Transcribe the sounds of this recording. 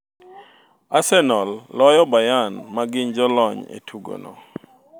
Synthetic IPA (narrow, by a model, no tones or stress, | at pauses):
asɛnɔlːɔjɔbajanmaɡɪnd͡ʒɔlɔɲḛtʰuɡo̰nɔ̰